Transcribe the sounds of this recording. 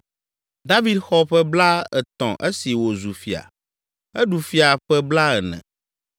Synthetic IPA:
d̪a˦vi˨d̪xɔ˦ɸɛ˦bla˦ɛ˨t̪ɔ̰̃˨ʔe˦si˨wo˨zu˨fi˨a̰˨ | ɛ˦ɖu˨fi˦a˨ɸɛ˦bla˦ɛ˨nɛ̰̃˨

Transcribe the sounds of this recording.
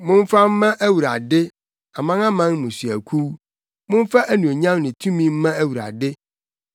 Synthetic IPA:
mʊ̃˦n̩˦fa˦m̩˦mã˦ʔæ˦wu˨ɾa̰˨dɪ˦ | a˨mã˦ŋã˦mã˦ŋ˦mʊ̃˨si˨æ˨kʰu˦ | mʊ̃˦n˦fa˦ʔæ˦nũ˨e˨ɲã˦mnɪ̃˨tʰũ˦mĩ˦m̩˦mã˦æ˦wu˨ɾa̰˨dɪ˦

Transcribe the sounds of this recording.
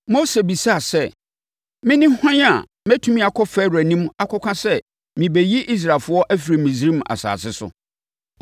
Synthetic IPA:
mo˦se˨bi˨sa˦˨sɛ˦˨ | mɪ̃˦nɪ̃˦hɔ̃˦ɲ˦a̰˨ | mɛ˦tʰũ˦mĩ˦a˨kʰɔ˦fɛ˦ɾæ˨nĩ˦m˦a˨kʰɔ˦kʷʰã˦sɛ˦ | mĩ˨be˨ji˦ʔi˦s̬ɾa˨lfʊ˦ɔ˦ʔæ˦fi˨ɾi˨mĩ˨s̬ɾi˦m˨a̰˨sa̰ː˨sɪ˦sʊ̰˨

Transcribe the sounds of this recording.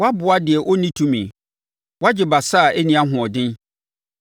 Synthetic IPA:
wa˦bʊ˨a˦dɪ˨ɛ˨ʔɔ˦nĩ˦tʰũ˦mĩ˨ | wa˦d͡ʑɪ˨ba˨sa˦˨ɛ˦nĩ˦ã˦ɦʊ̃˨ɔ˨dɪ̃˦n

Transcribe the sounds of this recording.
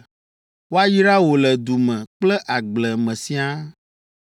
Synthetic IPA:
wo˦a˦ji˦ɖa˦wo˨lɛ˨d̪u˨mɛ̃˨k͡plɛ˦ʔa˨ɡ͡blɛ˨mɛ̃˨sĩ˦a˦

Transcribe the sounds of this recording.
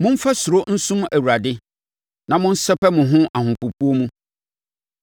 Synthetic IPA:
mʊ̃˦m̩˦fa˦sʊ˨ɾo˦n̩˦sʊ̃˦mæ˨wu˨ɾa˨dɪ˦ | nã˨mʊ̃˦n̩˦sɛ˦pɛ˦mʊ̃˨ɦʊ̃˦ʔa˨hʊ̃˨pu˨pʰu˦o˦mũ˦

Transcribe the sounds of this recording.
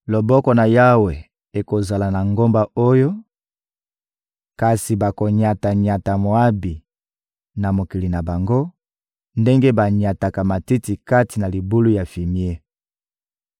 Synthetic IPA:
lo˨bɔ˦kɔ˨na˨ja˦we˨ | e˨ko˨za˨la˨na˨ŋɡo˦mba˨o˦jo˦ | ka˨si˨ba˨ko˨ɲa˨ta˨ɲa˨ta˨mo˨a˦bi˨ | na˨mo˨ki˨li˨na˨ba˨ŋɡo˦ | nde˦ŋɡe˦ba˨ɲa˨ta˨ka˨ma˨ti˦ti˨ka˦ti˨na˨li˨bu˦lu˦ja˨fi˨mi˦e˦

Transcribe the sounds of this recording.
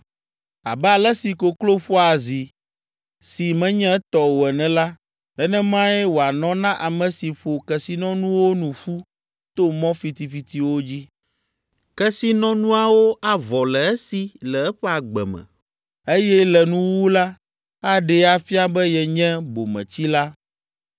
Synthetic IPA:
a̰˨bɛ˦a˨lɛ˦si˨ko˨klo˦ɸo˦a˨zi˨ | si˨mɛ̃˦ɲɛ̃˦t̪ɔ˨wo˨ɛ˨nɛ̃˨la˦ | lɛ˨nɛ̃˦mã˦jɛ˦wo˨a˨nɔ̃˦nã˦ʔa˨mɛ̃˨si˨ɸo˨kɛ˨si˦nɔ̃˦nũ˦wo˦nũ˨ɸu˦ | t̪o˦mɔ̃˦fi˨t̪i˨fi˨t̪i˨wo˦d͡ʑi˦ | kɛ˦si˦nɔ̃˦nũ˦a˦˨wo˦a˨vɔ˨lɛ˨ɛ˦si˨lɛ˨ɛ˦ɸɛ˦a˨ɡ͡bɛ̰˨mɛ̰̃˨ | e˦jɛ˦lɛ˨nũ˦wu˦la˦ | a˦ɖɛ˨a˨fi˦a˦bɛ˦jɛ˨ɲɛ̃˦bo̰˨mɛ̰̃˨t͡ɕi˦la˦

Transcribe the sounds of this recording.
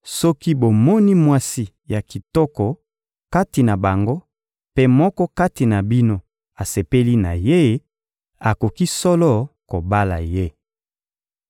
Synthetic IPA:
sɔ˦ki˦bo˨mɔ˦ni˦mwa˦si˦ | ja˨ki˨tɔ˦kɔ˨ | ka˦ti˨na˨ba˨ŋɡo˦ | pe˦mɔ˦kɔ˦ka˦ti˨na˨bi˦no˦ | a˨se˨pe˦li˦na˨je˦ | a˨ko˨ki˦sɔ˦lɔ˦ko˨ba˦la̰˨je˦

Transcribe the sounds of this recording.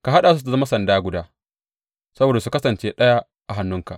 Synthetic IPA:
ka˨ɦa˦ɗaː˨su˦a˨zɐ˦ma˦sɐ˨ndaː˦ɡʷʊ˨daː˦ | sɐ˦boː˨da˨su˨˦kɐ˦sɐ˨nt͡ʃeː˦ɗɐ˦ja˦ | ʔa˨ɦa˨nːʊ˦ŋka˨ʔ

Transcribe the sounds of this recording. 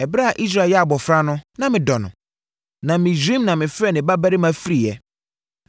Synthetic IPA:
ɛ˨bɾa˦a˨ʔi˦s̬ɾa˨jɛ˦a˨bɔ˨fɾa˦nʊ̃˦nã˨mɪ̃˨dɔ˨nʊ̰̃˨ | nã˨mɪ̃˨d͡ʑĩ˦mnã˨mɪ̃˨fɛ˦nɪ̃˨ba˦ba˦ɾɪ˦mã˦fi˦ɾi˨jɛ˨

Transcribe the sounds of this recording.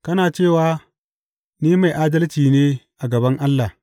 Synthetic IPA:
kɐ˦naː˨t͡ʃeː˦˨waː˦ | niː˦ma˨jʔaː˦dɐ˦lt͡ʃiː˨neː˦ʔa˨ɡɐ˨bɐ˦ŋʔa˦lːa˨

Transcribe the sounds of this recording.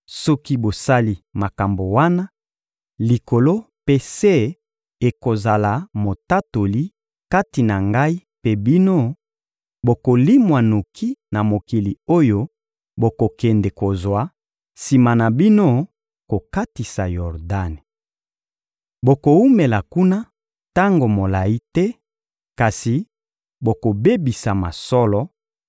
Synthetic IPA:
sɔ˦ki˦bo˨sa˦li˨ma˨ka˨mbo˨wa˦na˦ | li˨ko˨lo˦ | pe˦se˦ | e˨ko˨za˨la˨mo˨ta˦to˨li˦ | ka˦ti˨na˨ŋɡa˦i˦pe˦bi˦no˦ | bo˨ko˨li˦mwa˨no˨kʰi˦na˨mo˨ki˨li˨o˦jo˦ | bo˨ko˨kɛ˨nde˨ko˨zwa˨˦ | si˨ma˨na˨bi˦no˦ | ko˨ka˦ti˨sa˨jɔ˨ʁda˦ne˨ | bo˨ko˨u˦me˨la˨ku˦na˦ | ta˦ŋɡo˨mo˨la˨ji˦tɛ˦ | ka˨si˨ | bo˨ko˨be˦bi˨sa˨ma̰˨sɔ˦lɔ˦

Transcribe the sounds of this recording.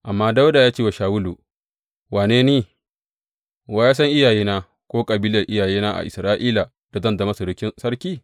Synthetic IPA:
ʔa˨mːaː˦da˦wda˨jaː˦t͡ʃeː˦wa˨ʃaː˨wʊ˦lu˨ | waː˨neː˦neː˦ | waː˦jaː˦sɐ˦ŋʔɪ˦jaː˨jiː˦naː˦ | kʷoː˦kʼɐ˨biː˦lɐ˨rʔɪ˦jaː˨jiː˦naː˦ʔa̰˨ʔɪ˨sɾaː˦ʔiː˦la˨ | d̥a˨zɐ˦nda˨mɐ˦su˨ɽʊ˦kʲɪ˦nsɐ˦rkʲiː˦

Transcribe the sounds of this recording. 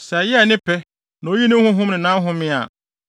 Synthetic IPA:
sɛ˨jɛ˦a˨nɪ̃˦pʰɛ˦ | nã˨o˦ji˦nɪ̃˦hʊ̃˦ɦʊ̃˦mnɪ̃˨nã˦ɦʊ̃˦mɪ̃˦a̰˨

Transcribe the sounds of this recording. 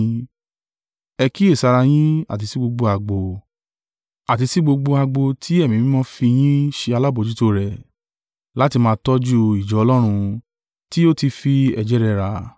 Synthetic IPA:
ɛ˧ki˦e˦˨sa˧ɾa˧j̃ĩ˦a̰˦˨t̬i˨˧si˦ɡ͡bo˧ɡ͡bo˧a˧ɡ͡bo˧ | a˨t̬i˧si˦ɡ͡bo˧ɡ͡bo˧a˧ɡ͡bo˧tʰi˦ɛ˦˨mĩ˨mĩ˦mɔ̃˦fi˧j̃ĩ˦ʃe˧a˧la˦bo˨d͡ʒu˦to˧ɾɛ˨ | la˦ti˧mãː˧tɔ˦d͡ʒu˦i˨d͡ʒɔ˨˦ɔ˧lɔ˦ɾ̃ũ˧ | ti˦o˦ti˧fi˧ɛ˧d͡ʒɛ˦ɾɛ˧ɾa˧

